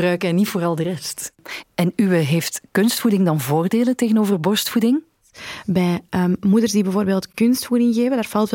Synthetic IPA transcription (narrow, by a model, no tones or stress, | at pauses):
rœɥkəɛnitfoːɾɑlˠdərɛstɛnywəɦeːftkɵnstfudɪŋdɑnvoːrdeːləteːɣənoːvərbɔrstfudɪŋ | bɛjʔəːmmudərzdibɛvoːrbeːlˠtkɵnstfudɪŋɣeːvəndaːrv̥ɑlˠt